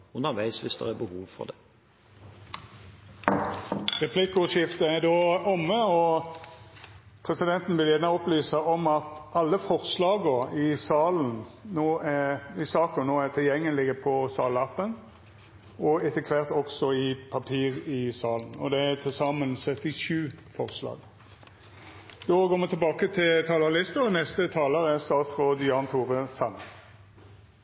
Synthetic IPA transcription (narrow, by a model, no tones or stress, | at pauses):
ʉnəʋæɪsʋɪsd̪ɛ̰ʁæbəhuːʋfɔ̰ʁd̪ɛ | ʁɛpʰlɪkʊʂɪft̪əæd̪oːɔmːəɔ | pʰʁɛsɪd̪ɛnt̪n̩ʋɪljæːnəɔplyːsɑɔmɑt̪ɑlːəfɔʁslɑːɡəɪsɑːln̩noːæɪsɑːkənoːæt̪ʰɪljɛŋːəlɪɡəpʰɔsɑːlɑpːən | ɔɛt̪ʰəkʰʋɛʁt̪ɔksɔɪpʰɑpʰiːʁɪsɑːln̩ɔ̰d̪ɛæt̪ʰɪlsɑmənsœt̪ːɪʃʉːfɔʁslɑ̰ːɡ | d̪̥ɔːɡoːmət̪ʰɪlbɑːkət̪ʰɪlt̪ʰɑːləlɪst̪əɔnɛst̪ət̪ʰɑːləʁæsɑːsfʁɔd̪ɪɑːnt̪ʰuːʁəsɑnə̰